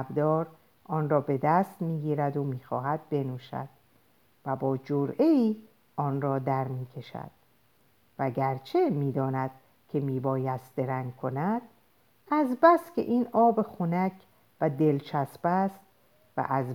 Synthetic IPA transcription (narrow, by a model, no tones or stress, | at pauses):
bd̪ɒːɾ | ʔɒːnrɒːbe̞d̪æst̪miːɡiːɾæd̪omiːxɒ̰ːɦæd̪̚be̞nuːʃæ̰d̪̥ | væbɒːd͡ʒoɾe̞iː | ʔɒːnrɒːd̪æɾmiːkʰe̞ʃæ̰d̪̥ | væɟæɾt͡ʃʰe̞miːd̪ɒːnæd̪̥̚ | kʰe̞miːbɒːjæst̪d̪e̞ɾæŋɡkʰo̞næd̪̥ | æzbæskʲʰe̞̰ʔiːnɒːbexunæcʰ | væd̪e̞lt͡ʃʰæsbæst̪̚ | væ̰ʔæz